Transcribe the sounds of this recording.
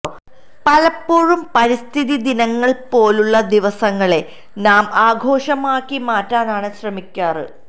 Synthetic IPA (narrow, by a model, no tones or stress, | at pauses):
pɐlɐpːoːɻumpɐɾist̪ʰiðid̪inɐŋːɐɭpo̞ːluɭːɐd̪iʋɐsɐŋːɐɭe̞ | naːmaːɡʱo̞ːʂɐmaːkːimaːtːaːnaːɳɨɕrɐmikʲːaːrɨ̰